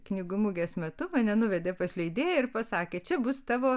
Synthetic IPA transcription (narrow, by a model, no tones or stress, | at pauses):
knʲɪɡʊmʊɡʲeːsmʲɛt̪ʊmɐnʲɛnʊʋʲɛd̪ʲeːpɐsʲlʲɛɪd̪ʲeːjɛɪɾpɐsɑːkʲeːt͡ʃʲɛbʊst̪ɑːʋoː